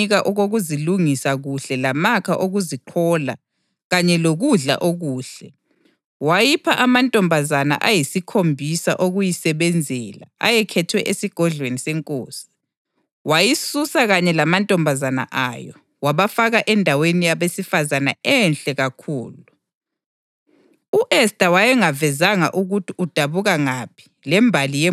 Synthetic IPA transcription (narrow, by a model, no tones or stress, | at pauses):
iɣaʔɔɣoɣuziluŋisaɣuɬɛlamakʰaʔoɣuziǃʰɔla̰ | ɣaɲɛloɣuɮa̰ʔoɣuːɬɛ | wajipʰaʔamantʼɔmbʱazana̰ʔajisikʰombʱisa̰ʔoɣujisɛβɛnd͡zʱɛla̰a̰jɛkʰɛtʰwɛʔesiɡ̥ʱɔɮwenisɛŋkʼo̰ːsi̥ | wajisusaɣaɲɛlamantʼɔmbʱazana̰ʔa̰jɔ̰ | waβafaɣaʔɛndʱawenijaβesifazana̰ɛnɬʼɛɣakʰṵːlu | uʔɛstʼawajɛŋavɛzaŋa̰ʔuɣutʰiʔud̥ʱaβuɣaŋapʰi̥ | lɛmbʱalijɛ